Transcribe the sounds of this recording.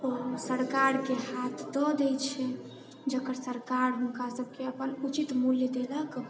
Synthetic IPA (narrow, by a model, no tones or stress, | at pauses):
ɔɾsəɾkaɾkehat̪ʰd̪ɔd̪ɛt͡ʃʰɛ | d͡ʒəkəɾsəɾkaɾɦunkasəb̚ʱkeəpənut͡ʃit̪muljəd̪elək